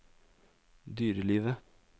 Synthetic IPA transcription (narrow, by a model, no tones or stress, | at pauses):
d̪yːɾəliːʋə